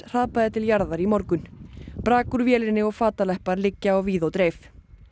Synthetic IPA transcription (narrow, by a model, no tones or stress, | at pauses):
r̥aðpaðɪt̪ʰɪljaɾðaɾimɔɾkʏnpɾaːkʏɾvjɛːlɪnːɪɔɣfaːt̪alɛhpaɾlɪcːaawviːðowt̪ɾeːjf